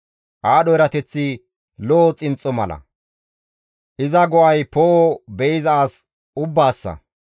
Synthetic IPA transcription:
ʔaːɗɔjɾɐt̪ɛt͡sːi | lɔːt͡sʼɪnt͡sʼːɔmɐ̰lɐ̰ | ʔɪzɐɡɔʔɐjpoːbɛɪzɐːs | ʊbːaːsːɐ̰

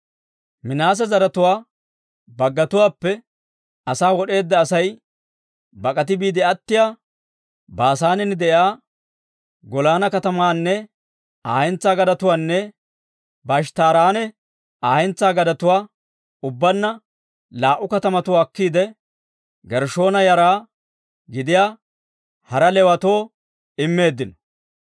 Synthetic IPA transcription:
mɪnaːs̬ɛzɐɾɐt̪ʊwaː | bɐɡːɐt̪ʊwaːpːɛ | ɐsaːwɔɗe̞ːd̪ːɐːsɐj | bɐkʼɐt̪̬ɪbiːd̪ɛɐt̪ːɪjaː | baːsaːnɛnɪd̪ɛʔjaː | ɡɔlaːnɐkɐt̪ɐmaːnːɛ | aːhɛnt͡sːaːɡɐd̪ɐt̪ʊwaːnːɛ | bɐʃ̬t̪aːɾaːnɛ | aːhɛnt͡sːaːɡɐd̪ɐt̪ʊwaː | ʊbːɐnːɐ | laːʔːʊkɐt̪ɐmɐt̪ʊwːkːiːd̪ɛ | ɡɛɾʃo̞ːnɐjɐɾaː | ɡɪd̪ɪjaː | hɐɾɐlɛwɐt̪o̞ː | ɪmːe̞ːd̪ːɪnɔ̥

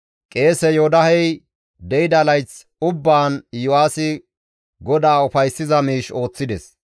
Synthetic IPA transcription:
kʼe̞ːsɛjoːd̪ɐhɛj | d̪ɛjɪd̪ɐlɐjt͡s | ʊbːaːnjʊwaːsɪ | ɡɔd̪aːʊfɐjsːɪzɐmiːʃo̞ːt͡sːɪd̪ɛs

